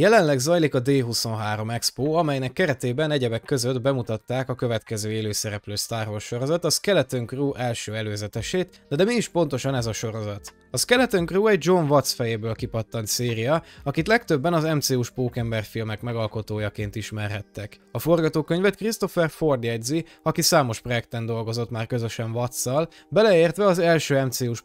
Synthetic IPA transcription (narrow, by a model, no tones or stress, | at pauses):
jɛlɛnlɛɡzɒjlikɒd̪eːɦuso̞nɦaːɾo̞mɛkspoːɒmɛjnɛkːɛɾɛt̪eːbɛnɛɟɛbɛkːø̞zø̞d̪bɛmut̪ɒt̪ːaːkɒkø̞vɛt̪kɛzøːeːløːsɛɾɛpløːst̪aːrɦosʃo̞ɾo̞zɒt̪ɒskɛlɛt̪øŋkruːʔɛlʃøːɛløːzɛt̪ɛʃeːt̪ | d̪ɛd̪ɛmiiʃpo̞n̪t̪o̞ʃɒnɛzɒʃo̞ɾo̞zɒt̪ | ɒskɛlɛt̪øŋkruːɛɟ̚d͡ʒo̞ɱvɒt̪sfɛjeːbøːlkipɒt̪ːɒnt̪seːɾijɒɒkit̪lɛkt̪ø̞bːɛnɒzɛmt̪seːuʃpoːkɛmbɛrfilmɛkmɛɡɒlko̞t̪oːjɒkeːnt̪iʃmɛrɦɛt̪ːɛk | ɒfo̞rɡɒt̪oːkø̞ɲvɛt̪krist̪o̞fɛrfo̞rd̪jɛɟzi | ɒkisaːmo̞ʃpro̞jɛkt̪ɛnd̪o̞lɡo̞zo̞t̪maːrkø̞zø̞ʃɛɱvɒt̪sːɒl | bɛlɛeːrt̪ʋɛɒzɛlʃøːɛmt̪seːuʃ